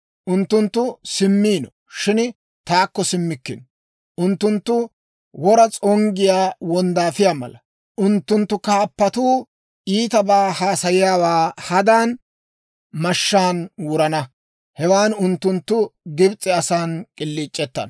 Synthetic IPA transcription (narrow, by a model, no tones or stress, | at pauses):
ʔʊnt̪ːʊnt̪ːʊsɪmːiːnɔ | ʃɪn | t̪aːkːɔsɪmːɪkːɪ̰n | ʔʊnt̪ːʊnt̪ːʊ | wɔɾɐt͡sʼɔŋɡɪjaːwɔnd̪aːfɪjaːmɐ̰lɐ | ʔʊnt̪ːʊnt̪ːʊkaːpːɐt̪uː | ʔiːt̪ɐbaːhaːsɐjɪjaːwaːhɐd̪aːn | mɐʃːaːnwʊɾɐnɐ | hɛwaːnʊnt̪ːʊnt̪ːʊɡɪbt͡sʼːɛɐsaːnkʼɪlːiːt͡ʃʼːɛt̪ːɐ̰n